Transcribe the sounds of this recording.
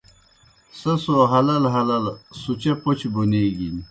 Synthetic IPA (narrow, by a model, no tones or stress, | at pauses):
sɐsoːɦɐlɐlɦɐlɐlsut͡ɕɐput͡ɕbuneːɡin